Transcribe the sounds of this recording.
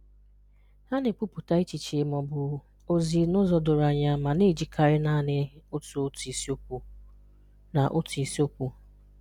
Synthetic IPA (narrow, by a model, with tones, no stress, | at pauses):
ha˦ne˨k͡pu˦pʊ˨ta˦i˦t͡ʃi˨t͡ʃe˨mɔ˨bʊ˨ | o˦zi˨nʊ˦zɔ˨dʊ˨ɾa˨ɲa˨ma˨ne˦˨d͡ʒi˨kʰa˨ɾɪ˦na˦nɪ˨ʊ˦tu˨˦ti˨si˦o˦u˨ | na˨ʔʊ˦tu˨i˨si˦o˦kʷu˨